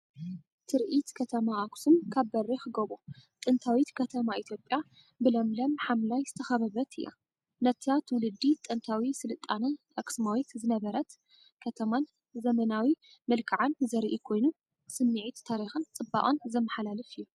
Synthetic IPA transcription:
t̪ʰɨɾʔit̪kʰɐt̪ʰɐmaʔaksɨmkʰaβːɐrixɨɡoβot̪ʼɨnt̪ʰawit̪kʰɐt̪ʰɐmait̪ʰjo̞pʼja | bɨlɐmlɐmħamlajzɨt̪ʰɐxɐβɐβɐt̪ʰɨjːa̰ | nɐt̪ʰat̪ʰwʊlɨd̪ːit̪ʼɨnt̪ʰawisɨlɨt̪ʼːanɐʔakʼsmawit̪zɨnɐβɐɾɐt̪ | kʰɐt̪ʰɐman | zɐmɐnawi | mɨlkʰaʕanzɐɾʔikʰo̞jnu | sɨmːiʕit̪t̪ʰːaɾixɨnt͡sʼɨbːa̰ʔʼonzɐmːɐħalalɨfɨjːu

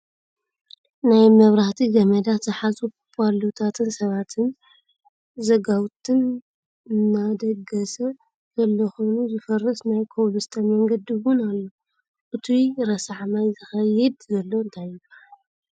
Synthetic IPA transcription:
najmɐβɾaht̪ʰiɡɐmɐd̪azɨħazu | pʰʼalut̪ʰat̪ʰɨnsɐβat̪ʰɨn | zɐɡawt̪ʰɨn | nːad̪ɐɡɐsɐ | z̥ɐlːɐxo̞nuzɨfɐrːɐsnajkʰowlust̪ʰɐmɐŋɡɐd̪iwʊnalːo | ʔɨt̪ʰuɾɐsaʕmajzɨxɐjɪd̪zɐlːo̞ɨnt̪ʰajːɪbaʕal

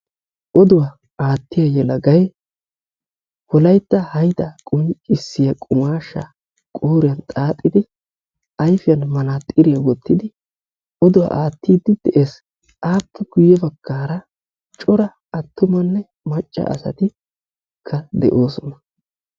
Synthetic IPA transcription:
ʔɔd̪ʊwa | aːt̪ːɪjɐjɛlɐɡɐjɛ | wɔlɐjt̪ːɐhɐjt̪ɐkʼʊnt͡ʃʼɪsːɪjɐkʼʊmaːʃːɐ̰ | kʼoːɾɪjɐnt̪ʼaːt̪ʼːɪd̪ɪ | ɐjfɪjɐnmɐnat̪ʼɪɾɪjɐwɔt̪ːɪd̪ɪ | ɔd̪ʊwa̰ʔaːt̪ːiːd̪ːɪd̪̥ɛʔeːs | ʔaːpːɛɡ̥ʊjːɛbɐɡːaːɾɐ | t͡ʃʼɔɾɐː | t̪ːʊmɐnːɛ | mɐt͡ʃʼːɐ̰ʔɐ̰sɐ̰t̪ɪ | kʰːɐd̪ɛ̰ʔo̞ːsɔnɐ

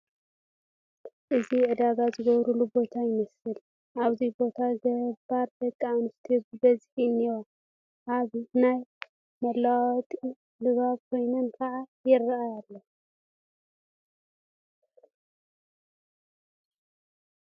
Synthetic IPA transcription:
ʔɨziʕɨd̪aɡazɨɡɐβɾulubo̞t̪ʰajɪmɐsɨl | ʔaβzibo̞t̪ʰaɡɐbaɾd̪ɐkʼːanɨst̪ʰiɨbɐzħiniwo | ʔaβnaj | mɐlːawt̪ʼi | lɨβaβkʰo̞jnɐnkʰɐʕajɪrːajalːɐ

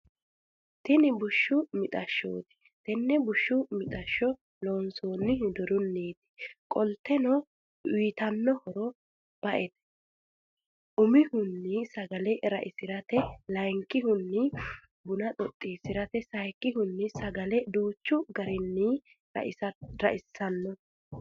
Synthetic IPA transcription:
t̪ɪnɪbʊʃːʊmɪt̪ʼɐʃːo̰ːt̪ɪ̥ | t̪ɛnːɛbʊʃːʊmɪt̪ʼɐʃːɔ | loːnsoːnːɪhd̪ɔɾʊnːeːt̪ɪ̥kʼɔlt̪ːɛnɔ | wiːt̪ɐnːɔhɔɾɔ | b̥ɐʔɛt̪ɛ̥ | ʔʊmɪhʊnːɪsɐɡɐlɛɾɐ̰ʔɪsɪɾɐt̪ɛlɐjŋkʼːɪɦʊnːɪ | bʊnɐt̪ʼɔt̪ʼːiːsɪɾɐt̪ɛsɐjkːɪhʊnːɪsɐɡɐlɛd̪uːt͡ʃːʊɡɐɾɪnːḭ | ɪɾɐʔɪsːɐnːɔ

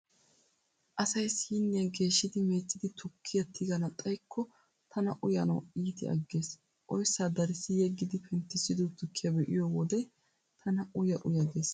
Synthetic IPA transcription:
ʔɐsɐjsiːnːɪɐɡe̞ːʃːɪd̪ɪmeːt͡ʃʼːɪd̪ɪt̪ʰʊkʰːɪjɐt̪ʰɪɡɐnɐt̪ʼɐjkʰːɔ | t̪ʰɐnɐʔʊjɐnɐ̰wiːt̪ɪ̰ɐ̰ɡːe̞ːs | ʔɔjsaːd̪ɐɾɪsɪjɛɡːɪd̪ɪpʰɛnt̪ːɪsɪd̪ut̪ːʊkʰːɐbɛʔɪjɔwɔd̪ɛj | t̪ʰɐnɐʊjɐʔʊjɐɡe̞ːs

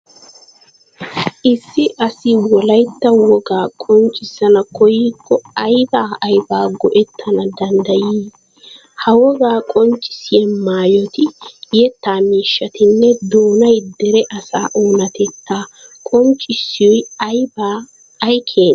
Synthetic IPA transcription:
ʔɪsːɪʔɐsɪwɔlɐjt̪ːɐwɔɡaːkʼɔnt͡ʃʼːɪsɐnɐkɔjiːkʰːɔɐjbaːʔɐjbaːɡɔʔɛt̪ʰːɐnɐd̪ɐnd̪ɐjiː | hɐwɔɡaːkʼɔnt͡ʃʼːɪ̥sɪjɛmaːjɔt̪ɪjɛt̪ːaːmiːʃːɐt̪ɪnːɛd̪oːnɐjd̪ɛɾɛʔɐsa̰ːʔoːnɐt̪ɛt̪ːaːkʼɔnt͡ʃʼːɪsːɪjɔjɐjbaː | jkʰeːn

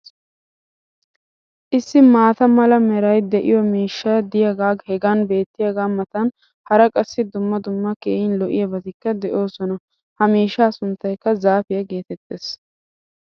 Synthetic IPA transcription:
ʔɪsːɪmaːt̪ɐmɐlɐmɛɾɐjd̪ɛʔɪ̰jɔmiːʃːɐjɐd̪ɪjaɡaːɡhɛɡɐnbe̞ːt̪ːɪjaɡaːmɐt̪ɐn | hɐɾɐkʼɐsːɪd̪ʊmːɐd̪ʊmːɐkḛːjɪnlɔʔɪjɐbɐt̪ɪkːɐd̪ɛʔo̞ːsɔnɐ | hɐmiːʃːaːsʊnt̪ːɐjkːɐzaːfɪjɐɡe̞ːt̪ɛt̪ːeːs

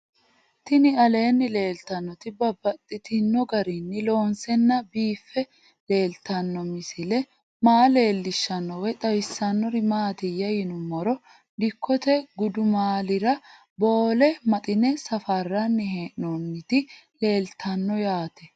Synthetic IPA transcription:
t̪ɪnɪɐle̞ːnːɪle̞ːlt̪ɐnːɔt̪ɪbɐbːɐt̪ʼːɪt̪ɪnːɔɡɐɾɪnːɪlo̞ːnsɛnːɐbiːfːɛ | le̞ːlt̪ʰɐnːɔmɪsɪlɛ | maːle̞ːlːɪʃːɐnːɔwɛt̪ʼɐwsːɐnːɔɾɪmaːt̪ɪjɐjɪnʊmːɔɾɔ | ᶑɪkːɔt̪ɛɡʊd̪ʊmaːlɪɾɐ | bo̞ːlɛmɐt̪ʼɪnɛsɐfɐrːɐnːɪɦeːʔnɔnːɪt̪ɪ | le̞ːlt̪ʰɐnːɔjaːt̪ɛ

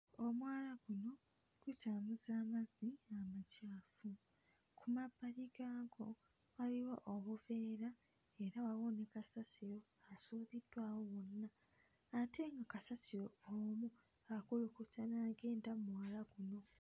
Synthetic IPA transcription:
o̞mwaːlaɡ̥uno̞ | ɡ̥utaːmuzaːmaziamacaːfu | kʰumabaliɡaːɡo̞ | waliwoʔoβuveːɾa | e̞ɾaβaβonekasasiɾo̞ | asuːðidwaːwowonːaː | tʰe̞ŋɡakasasiɾoomu | akulukutanaɡe̞ːndamwaːlaɡ̥uno̞

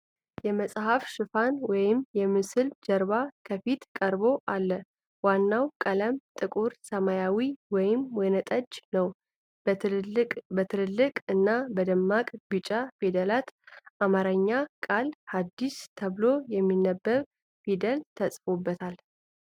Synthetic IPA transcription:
jɛməsʼhafʃɨfanwɔjɪmjɛmɨsɨld͡ʒəɾbakʰəfit̪kʼəɾbo̞ʔalːə | wanːawkʼələmt̪ʼɨkʼuɾsəmajawiwɔjɪmwɔjnət̪ʼəd͡ʒnəw | bət̪ʰɨlɨlːɨkʼɨnːabəd̪əmːakʼbɨt͡ʃʼafed̪əlat̪ʔamaɾəɲːakʼalhad̪ːist̪ʰəβlojɛmːinːəbːəɾ | fid̪əlt̪ʰəsʼfobːət̪ʰal

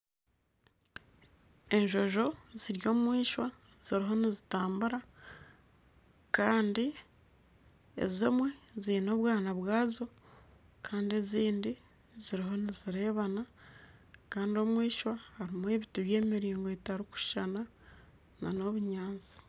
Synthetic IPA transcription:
e̞ɲʒo̞ʒo̞z̥iɾjo̞ːmwiːʃwa | z̥iɾiɦo̞nizitaːmbuɾa | kaːndi | ḛzimwezino̞ːβwaːnaβwaːzo̞ | kaːndie̞ziːndi | ziɾiɦo̞niziɾe̞ːβana | kaːndio̞ːmwiːʃwahaɾimwe̞ːβituβje̞ːmiɾiːŋɡoetaɾuku̥ʃana | na̰no̞βuɲaːnt͡si̥

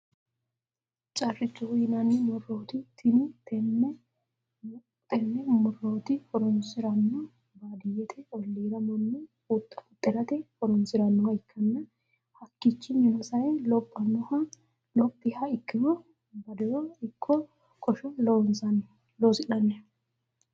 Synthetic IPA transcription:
t͡ʃʼɐrːɪt͡ʃːʊhʊjɪnɐnːɛmɔrːoːt̪ɪt̪ʰɪnɪt̪ɛnːɛ | t̪ɛnːɛmɔroːt̪ɪfɔɾɔnsɪɾɐnːɔ | baːd̪ɪjɛt̪ʰɛɔlːiːd̪ɐmɔnːɛ | ut̪ʼːɐʊt̪ʼːɪɾɐt̪ɛfɔɾɔnsɪɾɐnːɔhɐɪkʰːɐnːɐ | hɐkːɪt͡ʃːɪnɪnɔsɐjɛlɔpʼːɐnːɔhɐ | lɔpʼːɪhɐɪkːɪmɔ | bɐd̪ɛɾɔɪkʰːɔ | kʰʼɔʃɔlɔwɔnsɐnɛ | loːsɪnɐnːɛ

